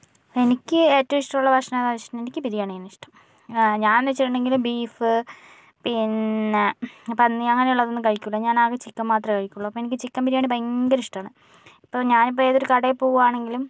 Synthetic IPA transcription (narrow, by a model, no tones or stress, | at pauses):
enikʲːɨeːtːɐʋiʂʈɐmuɭːɐpɐʂɐnðaːʋiʂʈɐnmenikʲːɨpiɾijaːɳinːiʂʈɐm | ɲaːnːet͡ɕːiʈːuɳɖe̞ŋɡilumbiːfɨ | pinː | pɐnːiɐŋːɐne̞juɭːɐðo̞nːɨkɐɻikʲːuɭːɐɲaːnaːɣet͡ɕikːɐmːaːt̪rɐkɐɻikʲːuɭːɐɐpːoːenikʲːɨt͡ɕikːɐmpiɾijaːɳipɐŋɡɐɾiʂʈɐaːɳɨ | ipːoːɲaːnip̬ːoːeðo̞ɾukɐɽepːoːɣuaːɳe̞ŋɡilum